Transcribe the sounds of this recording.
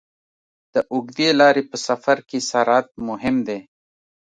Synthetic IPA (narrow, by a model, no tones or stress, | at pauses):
d̪̥əʔʊɡd̪elɑːɾepəsafaɾkesaɾɑːt̪̚mʊɦɪmd̪eː